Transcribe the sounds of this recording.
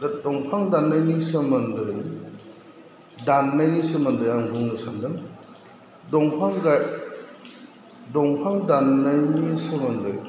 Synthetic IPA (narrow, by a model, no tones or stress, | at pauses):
ddɔŋpʰaŋdanːajnisɯmɐndɯj | danːajnisɯmɐndɯjaŋɡuŋnɯsandɯn | dɔŋpʰaŋɡaj | dɔŋpʰaŋdanːajnisɯmɐndɯ̰j